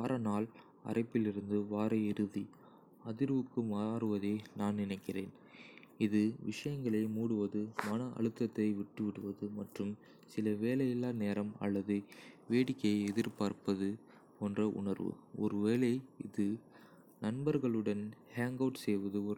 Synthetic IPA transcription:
ʋaːɾɐnaːl | ɐ̰rʔɐɪpːɪlɪɾɯnd̪ɯʋaːɾɐɪɾɯði | ɐðɪɾʋɯkːɯmaːɾɯʋɐðeːnaːnnɪnɐɪkːɪreːn | ɪðɯʋɪʂɐjɐŋɡɐɭɐɪmuːɽɯʋɐðɯmɐnɐʔɐ̰ɭɯt̪ːɐt̪ːɐɪʋɪʈːɯʋɪɽɯʋɐðɯmɐʈrɯm | sɪlɐʋeːlɐjɪlːaːneːɾɐmɐ̰lːɐðɯʋeːɽɪkːɐɪɛðɪɾpaːɾpɐðɯ | oːndrɐʔʊ̰ɳɐɾʋɯ̰ɔɾɯʋeːlɐɪɪðɯ | nɐnbɐɾɣɐɭɯɽɐnhaːŋɡɐʋʈsɛjʋɐðɯɔɾ

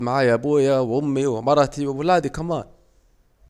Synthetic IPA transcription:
maʕaːjaʔabuːjawʔʊmːiwɪmɑɾˤɑt̪iwɪwɪlaːd̪ikamaːn

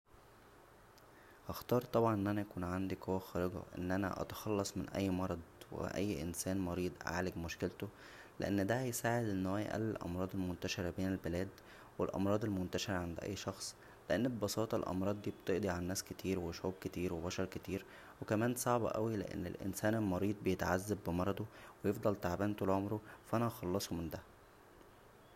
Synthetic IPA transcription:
hɑxt̪ɑːɾˤt̪ˤɑbʕɑnʔenːʔænæjækuːnʕand̪ikhowæxɑːɾeɡɑ̰ʔḛnːʔænæ̰ʔɑ̰t̪ɑ̥xɑlːɑsˤmenʔæ̰jːmɑɾˤɑd̪ˤwḛʔæ̰jːʔensæːnmɑɾiːd̪ˤʕa̰ːleɡmoʃkelt̪o | lḛʔenːd̪æhæjsaːʕed̪ʔenːwæːj̰ʔæ̰lːelʔɑ̰mɾˤɑːd̪elmont̪æʃeɾæbeːnelbelæːd̪ | welʔɑ̰mɾˤɑːd̪ˤelmont̪æʃeɾʕand̪ʔæ̰jːʃɑxsˤ | leʔenːebebɑsɑːt̪ˤɑlʔɑ̰mɾˤɑːd̪ˤːiːbet̪eʔd̪iʕalænːæːsket̪ʰiːɾweʃʕuːb̚ket̪iːɾwebɑʃɑɾˤket̪iːɾ | wekæmæːnsˤɑʕbɑ̰ʔæ̰wilḛʔḛnːḛlʔḛnsæːnelmɑɾiːd̪̚ˤbejet̪ʕazːæbːemɑɾˤɑd̪ˤowejefd̪ˤɑlt̪aʕbæːnt̪olʕomɾofæʔænæxɑlːɑsˤumend̪æ

